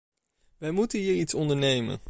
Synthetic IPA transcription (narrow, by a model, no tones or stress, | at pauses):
ʋɛjmutənɦiːɹitsɔndəɹnejmə̰n